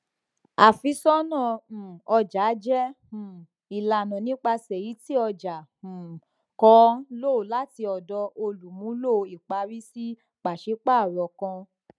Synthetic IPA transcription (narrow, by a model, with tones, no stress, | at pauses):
a˨fi˧˦sɔ˦nã˦˨ɔ˧d͡ʒa˨˦d͡ʒɛ̃˦˨ | i˨la˨nɔ̃˨nĩ˦k͡pa˧sɛ˨ji˨˦ti˦ɔ˧d͡ʒã˨ | kɔ˧˦lo˦˨o˨la˨˦ti˧ɔ˨dɔ˧ʔo˧lu˨mũ˨˦lo˦˨˧i˨k͡pa˧ɾi˦si˦ | k͡pa˨ʃe˨˦k͡pa˦˨ɾɔ˨kã˧